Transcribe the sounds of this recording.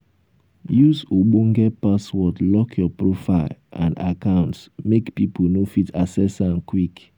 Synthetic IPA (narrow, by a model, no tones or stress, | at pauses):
jusoɡ͡boŋ̩ɡɛpaswɔtlɔkʰjɔpɹofaɪlã̰nda̰kãʊ̃ntsmekpiponofitʰasɛsãnkwik